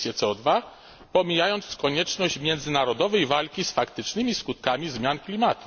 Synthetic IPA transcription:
sʲjɛt̪sɛɔd̪va | pɔmʲijajɔnt̪skɔɲɛt͡ʂnɔɕt͡ɕmʲjɛnd̪zɘnaɾɔd̪ɔvɛjvalkʲisfakt̪ɘt͡ʂnɘmʲiskut̪̚kamʲizmʲjanklʲimat̪u

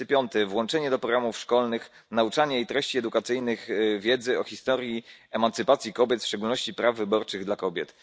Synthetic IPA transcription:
pʲjɔnt̪ɛvwɔnt͡ʂɛɲɛd̪ɔpɾɔɡɾamufʂkɔlnɘx | naut͡ʂaɲɛit̪ɾɛɕt͡ɕiɛd̪ukat̪sɘjnɘɣvʲjɛd̪zɘɔxʲist̪ɔɾʲjiɛmant̪sɘpat̪sʲjikɔbʲjɛt̪fʂt͡ʂɛɡulnɔɕt͡ɕipɾavːɘbɔɾt͡ʂɘɣd̪lakɔbʲjɛt̪

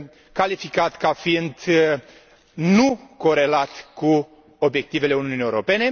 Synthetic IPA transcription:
kalifikat̪kafind̪ | nuko̞ɾe̞lat̪ku | obje̞k̚t̪ive̞le̞unuuniːewɾo̞pe̞ne̞

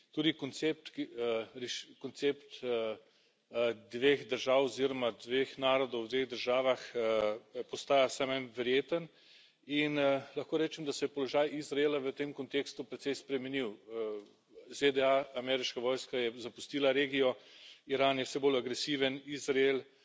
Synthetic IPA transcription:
t̪uːd̪ikɔnt̪sep̚t̪kɾɛʃkɔnt̪sept̪ | d̪ʋeːxd̪əɾʒaːwɔziɾɔmad̪ʋeːxnaːɾɔd̪ɔwt̪ʋeːɣd̪əɾʒaːʋax | pɔst̪aːjasɛmamʋɛɾjeːt̪ən | inlɐxkoːɾɛːt͡ʃɛmd̪asɛjɛpɔlɔʒajizɾaeːlaʋət̪emkɔnt̪eːkst̪upɾɛt̪sɛjspɾɛmɛniw | zed̪ɛaːmɛɾiʃkaʋɔːjskajɛzapust̪iːlaɾeːɡijɔiɾaːnjɛwsɛbolaɡɾɛsiʋənizɾaeːl

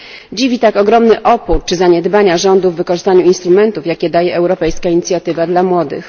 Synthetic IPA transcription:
d͡ʑivʲit̪akɔɡɾɔmnɘʔɔpuɾt͡ʂɘzaɲɛd̪baɲaʐɔnd̪uvːɘkɔʐɘst̪aɲuinst̪ɾumɛnt̪ufjakʲɛd̪ajɛɛwɾɔpɛjskaiɲit̪sʲjat̪ɘvad̪lamwɔd̪ɘ̰x

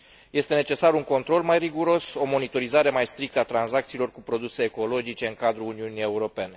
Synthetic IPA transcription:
je̞st̪e̞ne̞t͡ʃe̞saɾuŋko̞nt̪ɾo̞lmajriɡuɾo̞so̞mo̞nit̪o̞ɾizaɾe̞majst̪ɾik̚t̪əat̪ɾanzak̚t̪siːlo̞rkupɾo̞d̪use̞ːko̞lo̞d͡ʒit͡ʃe̞ɨŋkad̪ɾuuniunije̞uɾo̞pe̞ne̞

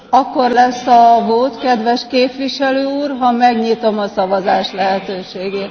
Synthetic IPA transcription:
ɒkːo̞rlɛsːɒvoːt̪kɛd̪ʋɛʃkeːpʋiʃɛløːuːrɦɒmɛɡɲit̪o̞mɒsɒvɒzaːʃlɛɦɛt̪øːʃeːɡeːt̪

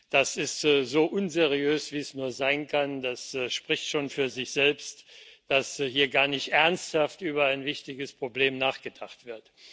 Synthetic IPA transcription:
d̥asɪstzoːʔʊnzeʁ̞iøːsv̥iːɛsnuːɐzaɪnkʰand̥asʃpʁ̥ɪçtʃoːnfyːɐzɪçz̥ɛlpstd̥ashiːɐɡaːɐnɪçtʔɛɐnsthaftʔyːbɐaɪnvɪçtɪɡəspʁ̥obleːmnaːχɡ̥ədaχtv̥ɪɐt

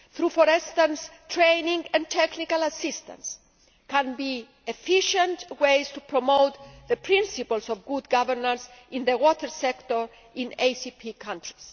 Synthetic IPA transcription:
θɾufɔɾɛst̪ãnst̪ɾẽjnĩŋɛ̃nt̪ʰɛknikalasist̪ã̰ns | kãnbi | efiʃə̃nt̪wejst̪upɾomowt̪ðəpɾĩnsipəlsɔvɡud̪ɡavəɾnaɾsĩnðewɔt̪əɾsɛkt̪ɔɾ | ĩnejsipʰikʰãntɾis

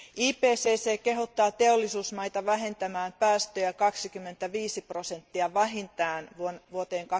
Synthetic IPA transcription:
iːpeːseːseːkeɦot̪ːɑːt̪e̞olːisuːsmɑjt̪ɑʋæɦe̞nt̪æmæːmpæːst̪øjækɑksikymːe̞nt̪æʋiːsipro̞se̞nt̪ːiɑʋæɦint̪æːnʋuonʋuot̪eːŋkɑ

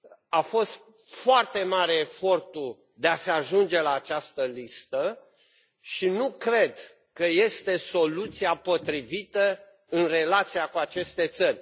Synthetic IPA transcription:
afo̞st̪ | foart̪e̞maɾe̞ːfo̞rt̪u | d̪e̞aseaʒund͡ʒe̞laːt͡ʃast̪əlist̪ə | ʃinukɾe̞d̪ | kəje̞st̪e̞so̞lut̪siapo̞t̪ɾivit̪ə | ɨnre̞lat̪siakuat͡ʃe̞st̪e̞t̪sərʲ

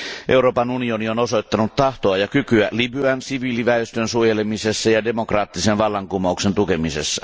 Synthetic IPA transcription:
ʔe̞uɾo̞ːpɑnunio̞nio̞noso̞jt̪ːɑnut̪t̪ɑht̪oɑjɑkykyælibyænsiʋiːliʋæyst̪ønsuojelemisesːɑjɑde̞mo̞krɑːt̪ːisenʋɑlːɑŋkumoukse̞nt̪uke̞misesːɑ

